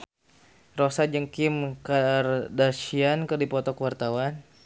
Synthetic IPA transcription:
rosad͡ʒəŋkimkardaʃiankərdipɔt̪ɔkəwart̪awan

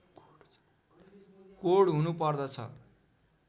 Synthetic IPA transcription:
koɽɦunupʌrd̪ʌt͡sʰʌ̰

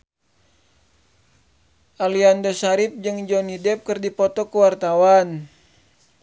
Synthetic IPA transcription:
ʔaliandosaɾip̚d͡ʒɨŋd͡ʒɔnidɛp̚kɨrdipɔt̪ɔkəwart̪awan

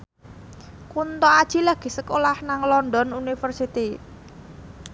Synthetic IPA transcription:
kunt̪ɔad̥ʒ̥i̤laɡ̥i̤səkolahnaŋlɔnɖɔnunifərsit̪i

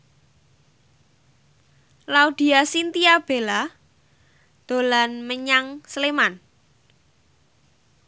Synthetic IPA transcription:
laud̪̥i̤asint̪iab̥e̤la | d̪̥o̤lanməɲaŋsleman

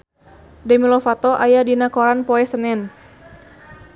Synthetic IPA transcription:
dɛmilɔfat̪ɔʔajadinakoɾanpɔɛsənɛn

